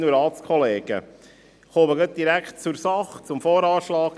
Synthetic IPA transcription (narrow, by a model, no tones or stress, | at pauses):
nuɾɑːtt͡skʰɔleːɡ̥ə̰ | χoːməɡœt̪̚d̥̪iɾækχt̚t͡suɾsɑχt͡sʊmfoːɾɑːʃlɑːk